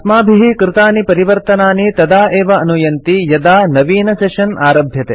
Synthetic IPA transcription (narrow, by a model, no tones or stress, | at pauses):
t̪maːbʱiɦikɾɪt̪aːnipɐɾiʋɐɾt̪ɐnaːnit̪ɐd̪aːʔeːʋɐʔɐnujɐnt̪ijɐd̪aːnɐʋiːnɐseːʃɐnaːɾɐbʱjɐt̪ḛː